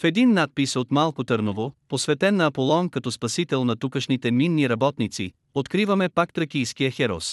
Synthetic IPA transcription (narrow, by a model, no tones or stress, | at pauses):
fɛd̪inːat̪̚pisot̪malˠkot̪ɤɾnovoposvɛt̪ɛnːɐɐpolˠɔnkɐt̪ɔspɐsit̪ɛlˠnɐt̪ukəʃnit̪ɛminːiɾɐbɔt̪nit̪sḭ | ot̪kɾivɐmɛpakt̪ɾɐkijskiəxɛɾɔ̰s